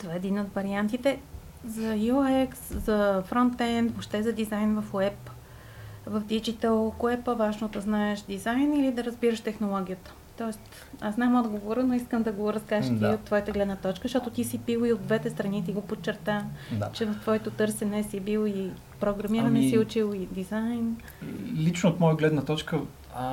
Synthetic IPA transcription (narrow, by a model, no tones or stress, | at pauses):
t̪ovaɛːd̪inod̪vɐɾiant̪it̪ɛ | zɐoɛkszɐfɾɔnt̪ːɛnd̪voʃt̪ɛzɐd̪izajnvɐfoɛp | vɐfd̪id͡ʒit̪əlˠkoɛpovaʒnod̪ɐznaɛʃd̪izajnilid̪ɐɾəzbiɾəʃt̪ɛxnolˠɔɡ̟ʲiət̪ə̥ | t̪ɔɛst̪ | aznamɔd̪ɡovoɾənoiskəmd̪ɐɡoɾɐskaʃd̪t̪iot̪ːvɔjət̪əɡlɛd̪nət̪ɔt͡ʃkəʃt̪ɔt̪ot̪isibilˠiod̪vɛt̪ɛst̪ɾɐnit̪iɡopot͡ʃːɛɾt̪at͡ʃɛvɐft̪vɔɛt̪ot̪ɤɾsɛnɛsibilˠi | pɾoɡɾɐmiɾɐnɛsiʊt͡ʃilˠid̪izajn | lit͡ʃnoot̪mɔjəɡlɛd̪nət̪ɔt͡ʃkə